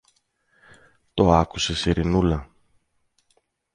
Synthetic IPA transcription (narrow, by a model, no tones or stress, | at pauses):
t̪o̞ɐkuse̞siɾinulɐ